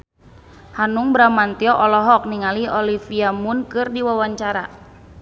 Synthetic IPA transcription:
hanuŋbɾamant̪iɔʔɔlɔɦɔk̚niŋaliɔlifiamunkɨrdiwawaɲt͡ʃaɾa̰

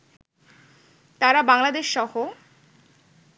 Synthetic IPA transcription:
t̪aɾabaŋlad̪eʃːɔho

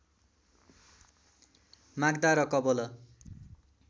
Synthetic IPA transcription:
maɡd̪aɾʌkʌbolʌ

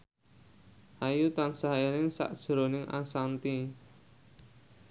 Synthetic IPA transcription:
ʔajut̪ansaɦaenɪŋsa̰ʔd̥ʒ̥ɾonɪŋʔa̰sant̪i

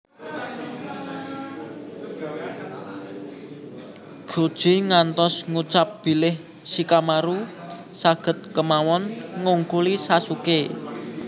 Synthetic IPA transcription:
ɡ̥od̥ʒ̥i̤ŋant̪ɔsŋut͡ʃap̚b̥i̤lɪh | sikamaɾusaɡ̥ə̤t̪̚kəmawɔnŋuŋkulisasuke

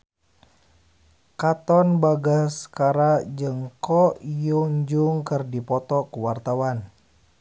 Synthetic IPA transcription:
kat̪ɔnbaɡaskaɾad͡ʒəŋkɔjuɲd͡ʒuŋkərdipɔt̪ɔkəwart̪awan

